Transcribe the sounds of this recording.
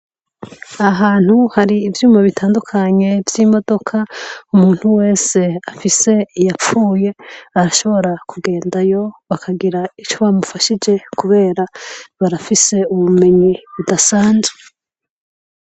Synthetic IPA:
aɦaːn̥huhaɾiːvjuːmaβitʰaːndukʰaɲe̞vjiːmo̞do̞kʰaumuːn̥huwe̞ːse̞afise̞ijap͡fuːje̞aɾaʃo̞βo̞ɾakʰuɡe̞ːndajo̞βakʰaɡiɾait͡ʃo̞βamufaʃid͡ʒe̞kuβe̞ːɾaβaɾafise̞uβume̞ɲiβudasaːnzɡe

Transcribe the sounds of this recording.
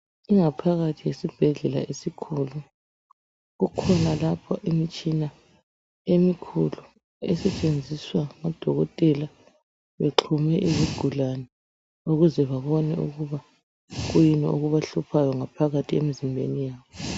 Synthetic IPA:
iŋapʰaɣatʰijesib̥ʱɛɮɛla̰ʔesikʰulu | ɣukʰɔnalapʰɔʔimit͡ʃʼina | emikʰulu | ɛ̰sɛt͡ʃʼend͡zʱiswamad̥ʱɔɣɔtʼɛla | βeǁʰumɛʔiβuɡ̥ʱulanɛ | uɣuzɛβaβɔnɛ̰uɣuβa | ɣujinɛʔoɣuβaɬupʰajɔŋapʰaɣatʰiemizimbʱḛnijaːβɔ

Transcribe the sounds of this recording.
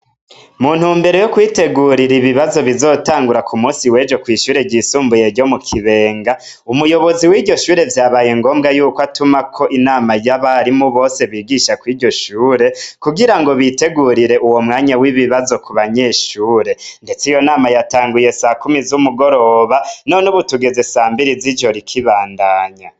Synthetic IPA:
muːn̥humbe̞ɾo̞jokwiːte̞ɡuɾiɾiβiβazo̞βizo̞ːtaːŋɡuɾakʰumuːsiwe̞ːd͡ʒo̞kwiːʃuːɾe̞ɟiːsuːmbuje̞ɾɟo̞mukʰiβe̞ːŋɡa | umujo̞βo̞ziwiːɟo̞ʃuːɾe̞vjaːβaːjeŋɡo̞ːmɡajuːkwatumakʰo̞ʔinaːmajaβaɾimuβo̞ːse̞βiːɡiʃakwiːɾɟo̞ʃuːɾe̞kuɡiɾaŋɡo̞βite̞ɡuɾiɾe̞ʔuwo̞mŋaːɲawiβiβazo̞kuβaɲe̞ʃuːɾe̞nde̞t͡sijo̞naːmajataːŋɡuje̞sakumizumuɡo̞ɾo̞βanonuβutuɡe̞ze̞saːmbiɾizid͡ʒo̞ɾikʰiβaːndaːɲa

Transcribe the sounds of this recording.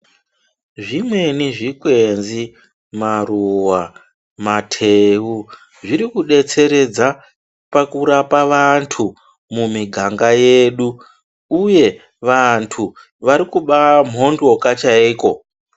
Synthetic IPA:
ʐimwe̞niʐikwe̞nzi | maruwa | matʰeu | ʐiɾikuɗe̞t͡se̞ɾe̞d͡za | pakuɾapaʋantʰu | mumiɡʱaŋɡaje̞ːɗu | uje̞ | ʋantʰu | ʋaɾikuɓam̤ɦo̞ndo̞kat͡ʃaiːko̞

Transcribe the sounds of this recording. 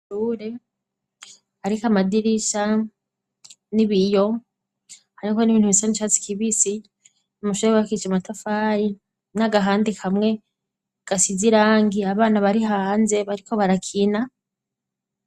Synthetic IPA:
uːɾe | aɾikamadiɾiʃa | niβijo̞ | haɾiko̞niβiːn̥huβisanit͡ʃat͡si̥kiβisi | umuʃuewakit͡ʃamatafaːɾi | naɡaɦaːndikʰamŋe̞ | ɡ̥asiziɾaːŋɡiaβaːnaβaɾiɦanze̞βaɾikʰo̞βaɾakʰina

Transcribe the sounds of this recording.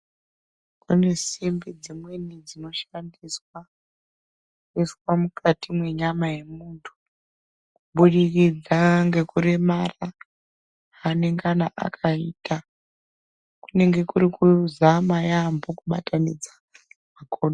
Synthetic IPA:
kune̞simbed͡zimwe̞nid͡zino̞ʃandiswa | eswamukʰatimwe̞ɲamaje̞muːntʰu̥ | kuɓuɗirid͡zaŋɡe̞kuremara | ane̞ŋɡanaʔa̰kʰaiːta | ku̥ne̞ŋɡe̞kuɾikuzamajambo̞kuɓatanid͡zḁ | makoːɗo

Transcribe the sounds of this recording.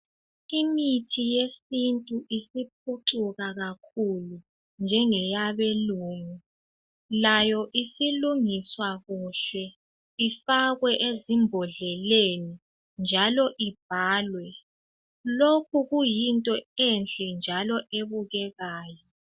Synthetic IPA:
imitʰijesintʼuʔisip̚ʰuǀuɣaɣakʰulu | nd͡ʒʱɛŋɛjaβeluːmi | lajɔʔisiluŋiswaɣuɬɛ | ifaɣwɛʔezimbʱɔɮɛleni | nd͡ʒʱalɔʔib̥ʱaːlwɛ | lokʰuɣujintʼɔent͡ɬʼɛnd͡ʒʱalɔʔeβuɣɛɣaːjɔ

